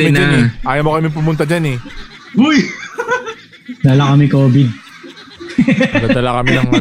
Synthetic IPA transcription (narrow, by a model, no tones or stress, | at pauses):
mɪnd͡ʒnɛʔaːjɐmokɐmip̬ʊmʊnt̪ɐd͡ʒanɛ | bʊj | d̪alɐkɐmɪkoːbɪd̪̚ | d̪ɐd̪ɐlakɐmɪnɐŋ